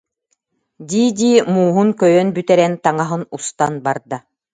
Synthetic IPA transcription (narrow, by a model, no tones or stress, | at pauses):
d̪iːd̪ʲiːmuːɦunkœjœnbyt̪ɛɾɛnt̪aŋaɦɯnust̪anbaɾd̪a